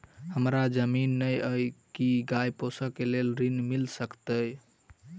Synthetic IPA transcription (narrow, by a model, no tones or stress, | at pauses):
həmɾad͡ʒəminːəjəjkiɡajposəkelelɾinmilsəkt̪əj